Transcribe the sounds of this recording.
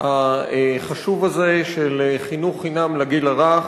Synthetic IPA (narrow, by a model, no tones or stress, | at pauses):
haχaʃuvazeʃeleχinuχinamlaɡilaʁa